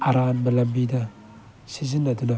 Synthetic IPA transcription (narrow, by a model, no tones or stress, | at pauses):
aɾanbalambida | sizinaduna